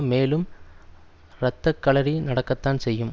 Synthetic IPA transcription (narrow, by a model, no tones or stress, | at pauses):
meːlɯm | ɾɐt̪ːɐkːɐɭɐɾinɐɽɐkːɐt̪ːaːnsɛjːɯm